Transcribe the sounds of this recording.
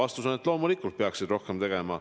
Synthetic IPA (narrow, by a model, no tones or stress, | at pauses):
ɑst̪uso̞net̪lo̞ːmulikːˑult̪̚peɑksid̪ro̞hkemt̪e̞ɡ̥e̞mɑ̰